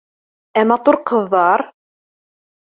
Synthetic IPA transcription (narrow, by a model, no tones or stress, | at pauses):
æmæt̪ˤoɾqəðˤːɑɾˤ